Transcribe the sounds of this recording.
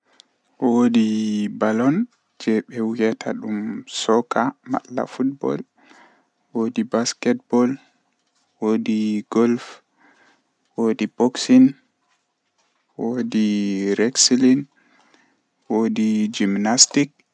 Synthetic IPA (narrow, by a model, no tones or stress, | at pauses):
wodibalɔn | d͡ʒɛɓɛwijɛtʰaɗumsɔkama̰lːa̰fut̚bɔ̰l | wodibaskɛt̚bɔl | wodiɡɔlf | wodiboksin | wodiɾɛksilin | wodid͡ʒimnastik